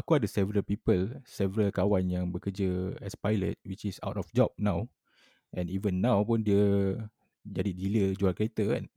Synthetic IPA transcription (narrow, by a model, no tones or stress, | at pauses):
akuadəsɛvəɾəlpipəlsɛvəɾəlkawanjãŋbəkəd͡ʒəɛspajlə̰t̚wit͡ʃisa̰wtɔfd͡ʒɔp̚nãw | ʔɛ̃nivə̃nːãwpũndiə | d͡ʒadidiləd͡ʒuakəɾet̪əɛ̰̃n